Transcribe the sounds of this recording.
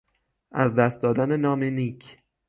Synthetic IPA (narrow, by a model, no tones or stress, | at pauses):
ʔæzd̪æst̪̚d̪ɒːd̪ænenɒːmenicʰ